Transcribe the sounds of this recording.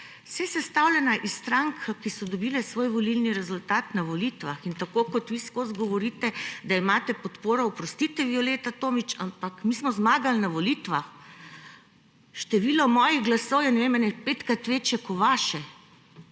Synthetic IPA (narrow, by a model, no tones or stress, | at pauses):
sɛsɛst̪awlʲɛnaʔist̪ɾaŋkʰkisɔd̪ɔbiːlɛsʋoːjʋɔlilniɾɛzult̪aːt̪naʋɔlit̪ʋaxint̪akoːkɔt̪ʋiskozɡɔʋɔɾit̪ɛd̪aimaːt̪ɛpɔt̪poːɾɔupɾɔst̪it̪ɛʋiɔleːt̪at̪oːmit͡ʃa̰mpakmismɔzmaːɡalnaʋolit̪ʋax | ʃt̪ɛʋilɔmɔːjiɣɡlasɔwjɛnɛʋeːmanɛpeːt̪kat̪ʋeːt͡ʃɛkɔʋaːʃɛ